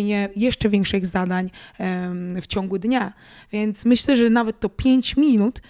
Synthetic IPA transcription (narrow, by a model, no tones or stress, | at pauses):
ɲɛjɛʂt͡ʂɛvʲjɛ̃ŋkʂɨɣzad̪aɲ | ft͡ɕɔ̃ŋɡud̪ɲa | vʲjɛnt̪smɘɕlɛʐɛnavɛt̪ːɔpʲjeɲt͡ɕmʲinut̪